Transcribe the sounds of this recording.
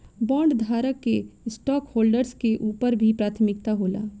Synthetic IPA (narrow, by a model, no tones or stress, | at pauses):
bɔ̃ːɳɖd̪ʱaːɾəkːesʈɔːkhoːlɖəɾskeʔuːpəɾbʱipɾaːt̪ʰəmɪkt̪aɦoːla̰ː